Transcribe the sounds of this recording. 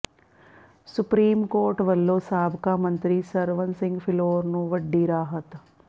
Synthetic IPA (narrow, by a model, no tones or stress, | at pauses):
sʊpɾiːmkoːɾʈʋɐlːoːsaːbkamɐ̃nt̪ɾisɐɾʋənsɪ̃ŋɡpʰɪloːɾnũʋɐɖːiɾaːɦət̪